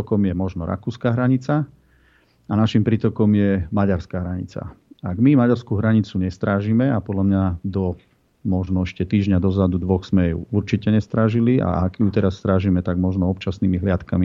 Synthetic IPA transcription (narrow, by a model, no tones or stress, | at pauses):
ɔkɔmjɛmɔʒnɔɾʔa̰kuːskaːɦɾaɲit͡sa | anaʃimpɾiːt̪ɔkɔmjɛmaɟaɾskaːɦɾaɲḭt͡sa̰aɡmimaɟaɾskuɦɾaɲit͡suɲɛst̪ɾaːʒimɛapɔd̪lamɲad̪ɔ | mɔʒnɔɛʃcɛt̪iːʒɲad̪ɔzad̪ud̪ʋɔxz̥mɛjṵuɾt͡ʃicɛɲɛst̪ɾaːʒilia̰akjut̪ɛɾasːt̪ɾaːʒimɛt̪aɡmɔʒnɔɔpt͡ʃasniːmiɦlɪat̪kami